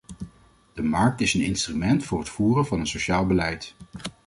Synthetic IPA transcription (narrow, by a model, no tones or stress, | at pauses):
d̥əmɑɹk̚tɪsənɪnstrymɛntfʊːrɦətfuːrənvɑnənsoʃaːlˠbəlɛjt